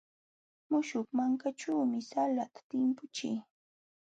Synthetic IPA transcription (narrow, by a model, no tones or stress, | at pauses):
mʊʃʊkmaŋkat͡ʃuːmɪsalat̪ḁt̪ɪmpʊt͡ʃɪ